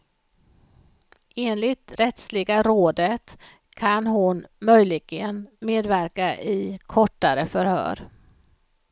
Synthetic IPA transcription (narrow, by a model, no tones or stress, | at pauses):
eːnlɪt̪ɾɛt̪slɪɡaɾoːd̪ət̪ | kʰanɦʊnmœjlɪɡənmeːd̪væɾkaʔɪkʰɔʈːaɾəfœɾhœ̰ːɾ